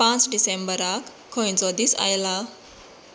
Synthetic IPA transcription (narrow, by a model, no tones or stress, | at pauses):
pãt͡sɖisẽmbəɾakʰːɔjt͡sɔd̪isa̰jla